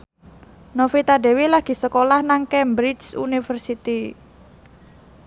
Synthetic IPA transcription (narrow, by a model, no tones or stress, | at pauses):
nofit̪aɖe̤wilaɡ̥i̤səkolahnaŋkɛmbɾid͡ʒsṵnifərsit̪i